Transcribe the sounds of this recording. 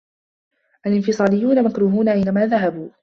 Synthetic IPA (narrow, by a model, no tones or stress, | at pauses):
ʔalɪnfɨsˤɑːlɪjːuːnamakɾuːɦuːnaʕajnamaːðaɦabuː